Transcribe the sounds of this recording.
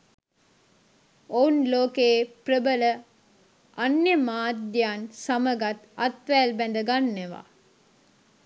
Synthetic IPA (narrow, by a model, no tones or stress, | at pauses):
ounloːkeːprəbələ | ɐnːemaːd̪jaːnsɐməɡɐt̪ɐt̪ʋæːlbænd̪əɡanːeʋa̰ː